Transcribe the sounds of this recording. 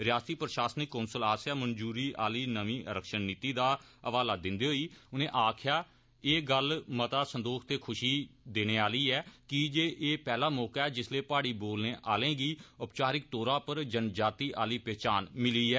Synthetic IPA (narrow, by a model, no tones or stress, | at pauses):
ɾɪjaːst̪iːpɾʃaːsənɪkːoːnsəlaːsjaːmənd͡ʒuːɾiːʔaːliːnəʋĩːʔəɾəkʃənniːt̪iːd̪aːəʋaːlaːd̪ɪnd̪iːɦoːiːʊnẽːʔaːkʰjaː | eːɡəlmət̪aːsənd̪oːkʰt̪eːkʰʊʃiːd̪eːñeːaːliːɛːkɪd͡ʒeːʔeːpɛːlaːmɔːkaːɛːd͡ʒɪsleːpaːɽiːboːlnẽːʔaːlẽːɡiːʊpt͡ʃaːɾɪk̚t̪oːɾãːpəɾd͡ʒənd͡ʒaːt̪iːʔaːliːpɛːt͡ʃaːnmɪliːɛː